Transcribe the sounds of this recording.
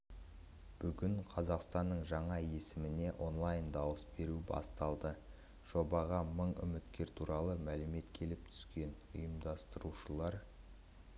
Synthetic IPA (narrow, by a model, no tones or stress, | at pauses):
b̥ʏɡʲɪɴqʰɑzɑqst̪ɑnːəɴʒɑɴɑje̞sɪmɪne̞ʔo̞nlˠɑjnd̪ɑwəsbe̞ɾubɑ̰st̪ɑlˠd̪ə | ʒ̥o̞bɑʁɑməɴʏ̰mɪt̪kʲe̞ɾt̪ʰuɾʔɑlˠəmælɪme̞t̪kʲʰe̞lɪp̚t̪ʰʏ̥skʲe̞nʊ̰jəmd̪ɑst̪əɾuʃəlˠɑɾ